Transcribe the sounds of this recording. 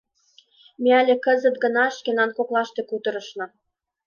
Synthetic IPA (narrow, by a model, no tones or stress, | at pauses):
mʲeælʲĕkə̆zə̆t̪̚ɡɤ̆nɑʃkʲenɑnkoklˠɑʃt̪ekut̪ɤ̆ɾɤ̆ʃnɤ̆